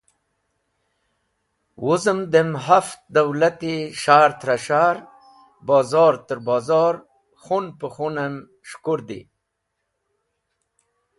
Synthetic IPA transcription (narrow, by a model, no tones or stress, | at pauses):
wʔuzəmd̪emɦaft̪̚d̪awlat̪iʃaːɾt̪ɾaʃaɾ | bɑːzɑːɾt̪əɾbɑːzɑɾ | χunpəxunam | ʃkuɾd̪ḭ